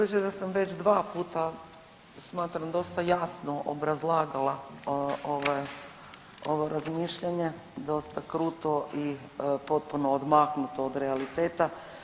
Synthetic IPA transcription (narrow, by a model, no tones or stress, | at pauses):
et͡ʃed̪asamʋe̞t͡ʃd̪ʋaːpuːt̪a | smaːt̪ɾamd̪o̞st̪ajasno̞ʔo̰bɾazlˠaːɡala | oʋe | o̞ʋoɾazmiːʃʎaɲe̞ | d̪o̞st̪akɾuːt̪o̞ʔi | po̞t̪̚puno̞ːd̪maknut̪ood̪ɾealit̪eːt̪a